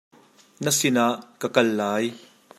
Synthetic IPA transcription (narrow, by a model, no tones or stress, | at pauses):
nɐsɪnaʔkɐkɐlːaːj